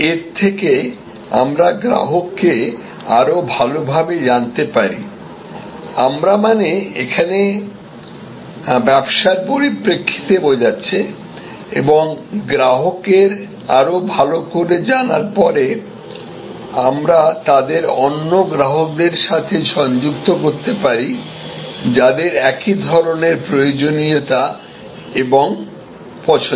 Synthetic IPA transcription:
eɾt̪ʰeke | a̰mɾaɡɾa̰ɦokːe | a̰ɾobʱalobʱabed͡ʑant̪epaɾḭ | amɾamaneekʰane | bɛbʃaɾpoɾipɾekʰːi̥t̪ebod͡ʑatːɕʰe | ḛboŋɡɾaɦokeɾ | a̰ɾobʱalokoɾed͡ʑanaɾpɔɾe | amɾat̪ad̪eɾɔnːoɡɾaɦok̚d̪eɾʃat̪ʰeʃɔɲd͡ʑukt̪okoɾt̪epaɾi | d͡ʑad̪eɾɛkid̪ʱɔɾoneɾpɾojod͡ʑoniot̪a | eboŋ | pɔt͡ɕʰo

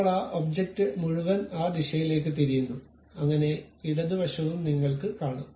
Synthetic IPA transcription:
ɭɐːʔobd͡ʑek̚tːɨmuɻuʋɐnaːd̪iɕɐjile̞ːk̬ːɨt̪eɾijunːu | ɐŋːɐne̞iɽɐðɨʋɐʂɐʋumniŋːɐɭkɨkaːɳum

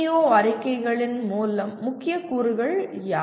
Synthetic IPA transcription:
joːɐɾɪkːɐɪɣɐɭɪnmuːlɐmːʊkːɪjɐkuːɾɯɣɐɭjaː

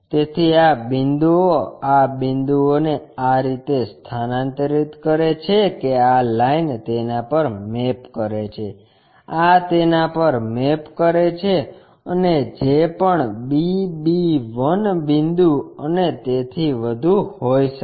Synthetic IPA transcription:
t̪et̪ʰiabɪnd̪uoabĩnd̪uoneaɾit̪est̪ʰanãnt̪ɾit̪kəɾet͡ʃʰekealaint̪enapəɾmepkəɾet͡ʃʰe | at̪enapəɾmepkəɾet͡ʃʰe | əned͡ʒepəɳbibiʋənbɪ̃nd̪uənet̪et̪ʰiʋəd̪ʱuhojʃə

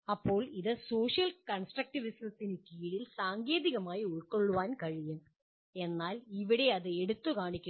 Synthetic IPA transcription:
ɐpːo̞ːɭiðɨso̞ːʂijɐlkɐɳsʈrɐk̚ʈiʋisɐt̪ːinɨkiːɻilsaːŋɡe̞ːðiɣɐmaːjiuɻkːoɭːuʋaːnkɐɻijum | e̞nːaːliʋiɽe̞ɐðɨeɽut̪ːukaːɳikʲːu

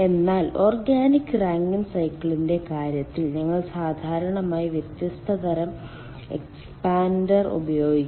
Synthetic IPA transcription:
e̞nːaːlo̞ːrɡaːnikʲːɨraːŋɡɐnsɐjkːɐɭinde̞kaːɾjɐt̪ːilɲɐŋːɐɭsaːd̪ʱaːɾɐɳɐmaːjiʋjɐt̪jɐst̪ʰɐd̪ɐɾɐm | ḛkspaːndɐrṵbɐjo̞ːɡikʲː

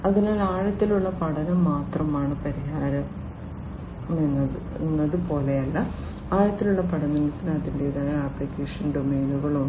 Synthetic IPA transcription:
ɐðinaːlaːɻɐt̪ːiluɭːɐpɐɽɐnumːaːt̪rɐmaːɳɨpɐɾihaːɾɐm | nːɐ | nːɐðɨpo̞ːle̞jɐlːɐ | aːɻɐt̪ːiluɭːɐpɐɽɐnunɐt̪ːinɐɐðindeːðaɣɐɐːplikːeːʂɐnɖomeːnuɣɐɭuɳ

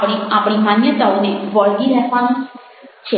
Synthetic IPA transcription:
ɽiapɽimanjət̪auneʋəɭɡiɾɛɦʋan | t͡ʃʰe

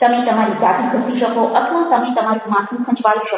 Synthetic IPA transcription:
t̪əmẽt̪əmaɾid͡ʒat̪ikʰʊsiʃəkoʔəsʋãt̪əmẽt̪əmaɾumãt̪ʰũsʰə̃t͡ʃʋaɭuʃə

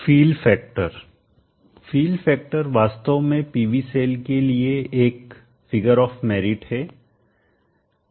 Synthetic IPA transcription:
fiːlfɛːk̚ʈəɾ | fiːlfɛːk̚ʈəɾʋaːst̪əʋmẽpiːʋiseːlkelieeːk | fɪɡəɾɔːfmɛːɾɪʈhɛː

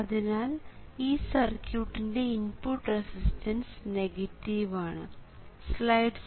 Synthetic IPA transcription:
ɐðinaːl | iːsɐrkjuːʈːinde̞inpuʈːresistʰɐnsneɣɐtːiʋaːɳɨ | slɐjɖs

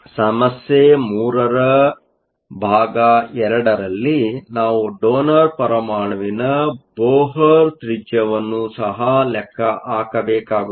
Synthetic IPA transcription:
sɐmɐsjemuːɾɐɾɐ | bʱaːɡɐɛɾɐɽɐɾɐlːinaːʋuɖoːnɐɾpɐɾɐmaːɳɐʋinɐboːɦɐɾt̪ɾid͡ʒjɐʋɐnːusɐɦɐlɛkʰːɐʔaːkɐbɛːkaːɡu

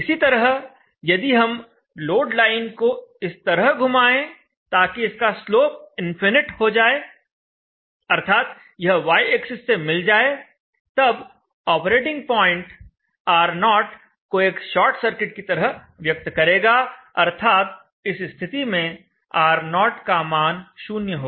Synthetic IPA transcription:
ɪsit̪ɐɾəɦ | jɐd̪iɦɐm | loːɖlaːɪnkoɪst̪ɐɾəɦɡʱʊmaːẽ | t̪aːkiɪskasloːp̚ɪ̃nfɪnɪʈhod͡ʒaːeː | ɐɾt̪ʰaːt̪ | jɐɦʋaːɪeksɪsːemɪld͡ʒaːe | t̪ɐb | ɔːpɾeːʈɪ̃ŋɡ̚pɔ̃ːɪ̃ɳʈ | aːɾnɔːʈ | koeːkʃɔːɾʈsɐɾkɪʈkit̪ɐɾəɦ | ʋjɐk̚t̪kɐɾeːɡaːɐ̰ɾt̪ʰaːt̪̚ | ɪsst̪ʰɪt̪imẽ | aːɾnɔːʈkamaːnʃuːnjəɦoːɡ

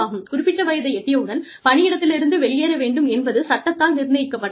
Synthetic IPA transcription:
aːɣɯmkʊɾʊpːɪʈrːɐʋɐjɐðɐɪɛt̪ːɪjɐʊɽɐn | pɐɳɪjɪɽɐt̪ːɪlɪɾɯnd̪ɯʋɛɭɪjeːɾɐʋeːɳɖɯmɛnbɐðɯsɐʈːɐt̪ːaːlnɪɾnɐjɪkːɐpːɐʈː

